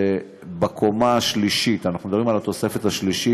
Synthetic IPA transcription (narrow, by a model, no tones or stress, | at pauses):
e | bakʰomaːʃliʃit̪anaχnumed̪abʁimalat̪o̞se̞fe̞t̪haʃliʃi